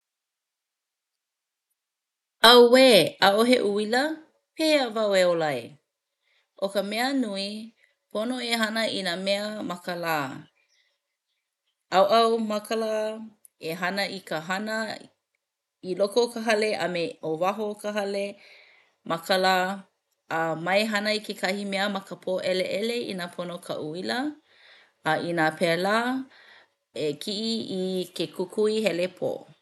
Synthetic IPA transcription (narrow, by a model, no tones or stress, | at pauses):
ɐwweːaʔoɦḛʔuilə | peːəvaweolɐj | ʔokəmɛənui | pʰonoeɦɐnəʔinameəmɐkəlaː | ɐwʔɐwmɐkəlaː | eɦɐnəikəɦɐnə | ilokokəɦɐleʔɐmeovaɦokəɦɐle | mɐkəlaː | əmɐjɦɐnəikekʰɐhimɛəmɐkəpʰoːʔɛleʔɛleḭnaːpʰonokʰɐ̰ʔuiləː | ʔinaːpʰɛlaː | ekʰiʔiikekʰukʰuiɦɛlepʰo̰ː